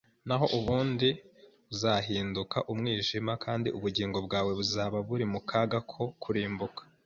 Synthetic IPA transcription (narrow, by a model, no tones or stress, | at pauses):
naɦo̞ʔuβuːndi | βuzaɦiːndukaʔumŋiːʒimakʰaːndiʔuβuɟiːŋɡo̞bɡaːwe̞βuzaːβaβuɾimukʰaɡakʰo̞kʰuɾiːmbukḁ